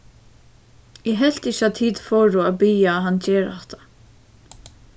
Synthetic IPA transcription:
jɛɦɛl̥t̪ɪçat̪ʰiːt̪fɔːɹuabijaɦant͡ɕeːɾa̰ht̪ḁ

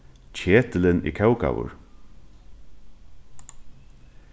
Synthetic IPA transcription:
t͡ɕʰeːt̪ɪlɪnḭːkʰɛwka̰wʊ̰ɹ

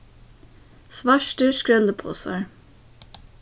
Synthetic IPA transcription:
sʋɑʃʈəʃkɹɛləpʰo̰ːsɑ̰ɹ

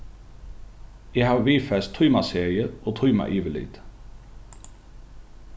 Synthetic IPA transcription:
jæhɑːʋʋiːfɛst̪ʰʊːmɑseːʁɪəoːt̪ʰʊʏmɑ̰ʔiːʋəlḭd̪̥

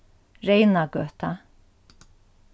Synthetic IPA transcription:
rejnaɡœt̪a

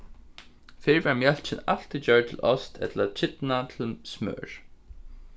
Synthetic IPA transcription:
fɪɹvaɹmjɛl̥t͡ʃɪnal̥t̪ɪt͡ɕœɹt̪ʰɪlʔɔst̪ʰɛ̰t̪lat͡ɕʰɪt̪nat̪ʰɪlsmœ̰ːɹ̥

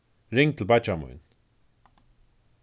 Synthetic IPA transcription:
ɹɪŋt̪ʰɪlbat͡ʃamṵjn

